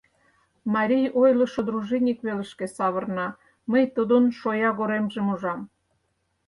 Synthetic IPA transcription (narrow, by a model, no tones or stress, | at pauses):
mɑɾʲijojlə̆ʃod̪ɾuʒinʲikβelə̆ʃkĕsɑβərnɑ | məjt̪ud̪onʃojɑɣoɾemʒemuʒɑm